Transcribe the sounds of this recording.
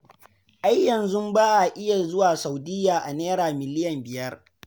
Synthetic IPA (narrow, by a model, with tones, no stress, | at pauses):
ʔa˦jːɐ˨nzʊ˦mbaː˦ʔa˨ʔɪ˦ja˨zʊ˦waː˨sa˨wdɪ˦jaː˨ʔa˨neː˦ɾaː˨mɪ˨lɪ˦jɐ˨mbɪ˨jɐ˦r